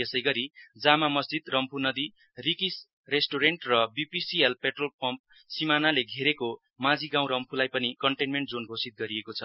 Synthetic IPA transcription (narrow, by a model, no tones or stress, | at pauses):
esʌjɡʌɾid͡zamamʌsd͡zid̪rʌmpʰunʌd̪i | rikis | resʈoɾeɳʈrʌbipisielpeʈrolpʌmp̚ | simanaleɡʱeɾeko | mãd͡ziɡãw̃ɾʌmpʰulajpʌnikʌɳʈenmeɳʈ̚d͡zonɡʱosit̪̚ɡʌɾiekot͡sʰʌ